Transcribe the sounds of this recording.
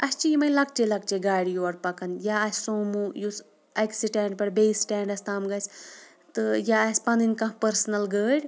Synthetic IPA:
ɐst͡ʃijimɐjlɐk̚t͡ʃelɐk̚t͡ʃeɡaːɽijuɐɽpɐkɐnjaːɐsʲsoːmujus | ɐksiʈɛ̃ːɳʈ̚pɐɽbeːsʈɛːɳɖɐst̪aːmɡɐs | t̪ɨjaːɐsʲpɐninkɐ̃ɦpɐɾsnɐlɡəːɽʲ

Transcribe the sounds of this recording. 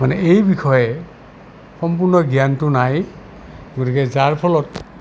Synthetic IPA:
manɛejbixʰɔjɛ | xɔmpuɹnɔɡijantʊnaj | ɡotikɛzaɹpʰɔlɔt

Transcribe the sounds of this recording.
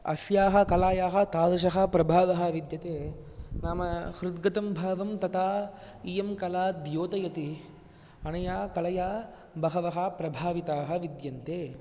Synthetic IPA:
ɐ̰sjaːɦɐ̆kɐlaːjaːɦɐ̆t̪aːd̪ɐʃ̬ɐɦɐ̆pɾɐbʱaːʋɐɦɐ̆ʋid̪jɐt̪eːnaːmɐhɾud̪ɡɐt̪ɐmbʱaːʋɐmt̪ɐt̪aː | ijɐmkɐlaːd̪joːt̪ɐjɐt̪i | ɐnɐjaːkɐlɐjaː | bɐɦɐʋɐɦɐ̆pɾɐbʱaːʋit̪aːɦɐʋid̪jɐnt̪eː

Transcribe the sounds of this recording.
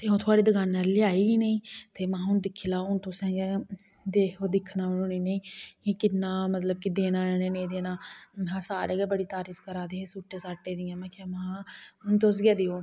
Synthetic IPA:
t̪eːɦʊ̃nt̪ʰʊaːɽiːd̪əɡaːnːaːlːɪaːiːɡiːnəĩːt̪eːmãːɦʊnd̪ɪkʰilaːɦʊnt̪ʊsɛ̃ːɡɛ | d̪eːoːd̪ɪkʰnaːɦnõːniːneĩːkɪkɪnːãːmət̪ləb̚kɪd̪eːnãːɛːneːnẽːd̪eːnaːãːsaːɾeːɡɛbəɽiːt̪aːɾiːfʰkəɾaːd̪eːesuːʈːeːsaːʈːeːd̪iɛ̃ːmɛ̃ːkʰɛːmãːt̪ʊs̬ɡɛːd̪eːoː

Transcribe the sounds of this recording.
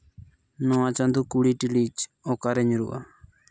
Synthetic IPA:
nɔãt͡ʃand̪ukuɽiʈilit͡ʃɔkaɾɛɲɾṵʔa̰

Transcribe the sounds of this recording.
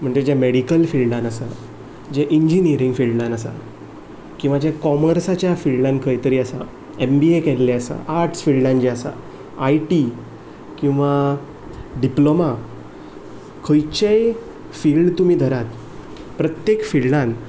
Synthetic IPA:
m̤əɳd͡zed͡ʑameɽikəlfilɖãnəsa | d͡ʑɛʔiɲd͡ʑiniəɾĩŋɡfilɖãnəsa̰ | kĩw̃ʋad͡ʑekɔməɾsat͡ɕjafilɖankʰəjt̪əɾiːəsa̰ | embiekɛllɛəsa̰ʔaɾʈʰsfilɖãnd͡ʑɛəsa̰ː | jʈi | kĩw̃ʋa | ɖiploma | kʰəjt͡ɕej | filɖt̪um̤iːd̪ʱəɾat̪ | pɾət̪jekfilɖan

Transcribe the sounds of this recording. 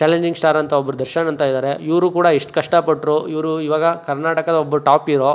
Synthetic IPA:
t͡ʃaːleɲd͡ʒiŋɡsʈaːɾɐnt̪ʰɐɔbːɐɾud̪ɐɾʃɐnɐnt̪ʰaːid̪aːɾeiʋɾuːkuːɽɐiʂʈkɐʂʈɐpɐʈːɾoiʋɾuiʋaːɡɐkɐɾnaːʈɐkɐd̪ɐɔbːɐɾuʈaːpiɾoː

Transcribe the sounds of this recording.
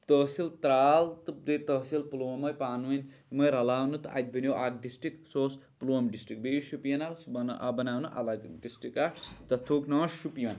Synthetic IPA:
t̪əːsilt̪ɾaːlt̪ɨp̚d̪et̪ɐsilpulomɐjpaːnʋɐn | mɐjɾɐlaːwnut̪a̰t̪̚ʲbənjoʔaɡ̚ɖisʈiksoːs | ploːmɖisʈɾik̚bejuʃupijɐnawsbɐnaːwnuʔɐ̰lɐɡɖisʈikat̪ɐt̪ʰoːknɐːʃupijɐn

